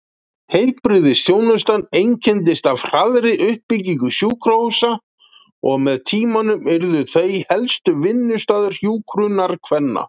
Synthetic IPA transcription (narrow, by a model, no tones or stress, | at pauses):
hejlpɾɪðɪsjoːwnʏst̪anːejɲcʰɛnt̪ɪst̪avr̥aðɾɪʔʏhpːiciŋkʏsjuːkʰɾowsa | ɔɣmɛðt̪ʰiːmanʏmɛɾðʏθejhɛlst̪ʏvɪnːʏst̪aːðʏɾ̥hjuːkʰɾʏnaɾ̥kʰvɛnːa̰